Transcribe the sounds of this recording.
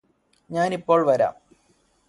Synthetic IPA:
ɲaːnipːo̞ːɭʋɐɾa̰ːm

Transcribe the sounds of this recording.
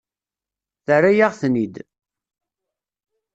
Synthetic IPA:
θərajaʁθnid̪

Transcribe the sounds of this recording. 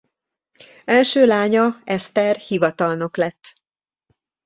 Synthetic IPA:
ɛlʃøːlaːɲɒɛst̪ɛrhivɒt̪ɒlnoklɛt̪ː

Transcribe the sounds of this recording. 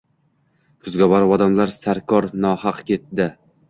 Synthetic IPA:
kʰʊzɡʲabɒɾɒd̪amlaɾsaɾkʰɒɾnɒhɑqkʲʰe̞t̪̚d̪ɪ

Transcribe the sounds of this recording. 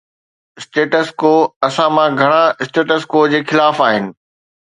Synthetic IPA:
ɪsʈeːʈəskoːɐsãmãɡʱɐɽ̃aɪsʈeːʈəskoːd͡ʑeːxɪlaːfaːɦɪnɪ̆

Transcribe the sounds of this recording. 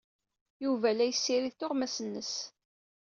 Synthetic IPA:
juvælæjəsːiɾiðθoʁmæsənːəs

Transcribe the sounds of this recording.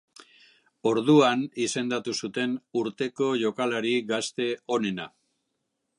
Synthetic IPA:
o̞ɾðuanise̞nd̪at̪usut̪e̞nuɾt̪e̞ko̞ʝo̞kalaɾiɡast̪e̞o̞ne̞na

